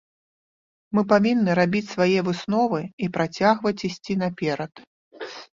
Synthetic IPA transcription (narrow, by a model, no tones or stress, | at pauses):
mɨpavʲinːɨɾabʲit͡sʲsvajɛvɨsnɔvɨipɾat͡sʲaɣvɐt͡sʲisʲt͡sʲinɐpʲɛɾɐt̪